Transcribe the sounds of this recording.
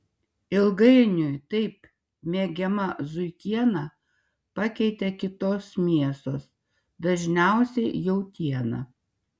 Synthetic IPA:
ɪlˠɡɐɪnʲʊjt̪ɐɪp | mʲeːɡʲɛmɐzʊɪkʲiɛnɑ | pɑkʲɛɪt̪ʲɛkʲɪt̪oːsmʲiɛsoːs | d̪ɐʒʲnʲæˑʊsʲɛɪjɛʊt̪ʲiɛnɐ̰

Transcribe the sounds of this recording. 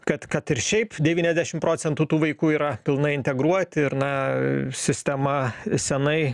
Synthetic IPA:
kɐt̪kɐt̪ɪɾʃʲɛɪpd̪ʲɛʋʲiːnʲɛzʲd̪ʲæːʃʲɪmpɾoːt͡s̪ʲɛnt̪uːt̪uːʋɐɪkuːiːɾɐpʲɪlˠnɐɪɪnʲt̪ʲɛɡɾuɔt̪ʲɪɾnɐsʲɪsʲt̪ʲɛmɐsʲɛnɐɪ

